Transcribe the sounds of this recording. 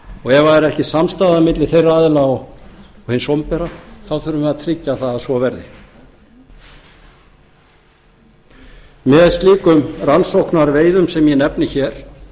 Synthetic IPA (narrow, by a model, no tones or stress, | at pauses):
ɔɣɛvaðɛɾɛhcɪsamst̪aːðamɪt̪lɪθejraaːðɪlaɔɣɔhɪnsɔmpɛɾaθawθœɾʏmaðt̪ʰɾɪcːaθaðasvɔvɛɾðɪ | mɛðast̪liːkʏmransowhknaɾveːjðʏmsɛmjɛnɛpnɪçɛɾ̥